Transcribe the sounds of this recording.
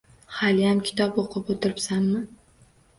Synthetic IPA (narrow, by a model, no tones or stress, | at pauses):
halɪjamkʲʰɪ̥t̪ʰɒpoqʰɨpot̪ʰɪɾɪpsanːɪ